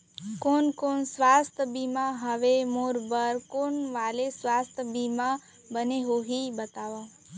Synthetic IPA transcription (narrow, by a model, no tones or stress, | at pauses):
konkoɳsʋast̪ʰbimãɦəʋemoɾbəɾkonʋalesʋast̪ʰbimã | bəneɦoɦibət̪aʋõ